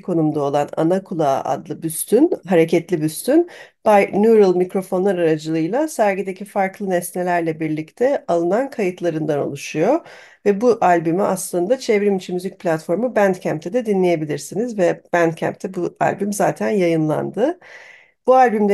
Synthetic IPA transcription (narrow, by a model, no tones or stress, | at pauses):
kʰo̞numd̪ao̞lˠana̰nakʰulˠaa̰d̪lˠɯbyst̪ʰynɦaɾecʰɛt̪lʲibyst̪ʰynb̥ajnʲuɾɯlˠmicɾo̞fo̞nlˠaɾaɾad͡ʒɯlˠɯjlˠasæɾɡid̪ecʰifaɾklˠɯnɛsnelʲæɾlʲɛbiɾlʲict̪ʰɛalˠɯnankʰajɯt̪ʰlˠaɾɯnd̪ano̞̰lˠuʃujo̞ | vɛbuʔalʲbymiaslˠɯnd̪at͡ʃʰevɾimit͡ʃʰimyzic̚pʰlʲat̪fo̞ɾmubænt̪cʰæmp̚t̪ʰɛd̪ɛd̪inlʲeje̞bilʲiɾsinizvɛb̥ænd̪cʰæ̰mp̚t̪ʰɛbua̰lʲbymza̰ːt̪ʰænjajɯnlˠa̰nd̪ɯ | b̥ualʲbymd̪